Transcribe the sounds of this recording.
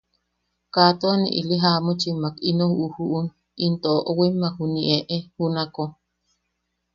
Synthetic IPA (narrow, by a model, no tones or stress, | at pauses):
kat̪oanḭʔḭliɦamut͡ʃimakinohuhuʔun | int̪oʔoʔowimːahuniʔeʔehunako